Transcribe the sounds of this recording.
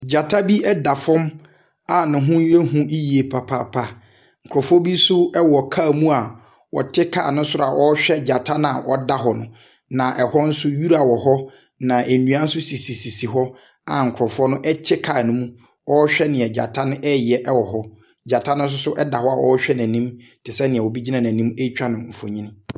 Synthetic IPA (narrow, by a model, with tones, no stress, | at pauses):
d͡ʑa˨tʰa˦bi˦ɛ˦da˨fɔ̃˦m | a˨nɪ̃˨ɦʊ̃˦ɥe˦ɦũ˦ʔi˦ji˨e˨pʰa˨pʰa̰˦pʰa˦ | ŋ̩˨kʰɔ˨fɔ˦bi˦sʊ˦ɛ˦wɔ˨kʰa˦˨mũ˦a˨ | wɔ̰˨tʰɪ˦kʰa̰˨nʊ̃˦sʊ˦ɾa˨ʔɔ˦ɕᶣɛ˦d͡ʑa˨tʰa˦n˦a˨ʔɔ̰˨da˦ɦɔ˨nʊ̃˦ | nã˨ʔɛ˨hɔ˦n̩˦sʊ˦ju˦ɾa˨wɔ˨ɦɔ˦ | nã˨ʔe˨nũ˨˦ã˦n̩˦sʊ˦si˨si˨si˨si˨ɦɔ˦ | a˨ŋ̩˨kʰʊ˨ɾɔ˨fʊ˦ɔ˦nʊ̃˦ʔɛ˦tʰɪ˦kʰa˨nʊ̃˦mũ˦ | ɔ˦ɕᶣɛ˦nɪ̃˨ɛ˨d͡ʑa̰˨tʰa˦nʊ̃˦ʔɛ˦jɛ˨ʔɛ˦wɔ˨ɦɔ˦ | d͡ʑa˨tʰa˦nʊ̃˦n˦s̬ʊ˦sʊ˦ʔɛ˦da˨hɔ˦a˨ʔɔ̰˦ɕᶣɛ˦næ̃˨nĩ˦m | tʰɪ˨sɛ˦nɪ̃˨ɛ˨wɔ˨bi˦d͡ʑi˦nã˨næ̃˨nĩ˦me˦t͡ɕᶣa˦nʊ̃˨m̩˨fo̰˨ɲĩ˦nɪ̃˦